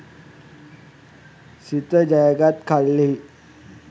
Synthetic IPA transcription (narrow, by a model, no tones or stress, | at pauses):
sit̪əd͡ʑajɡat̪kʰalːe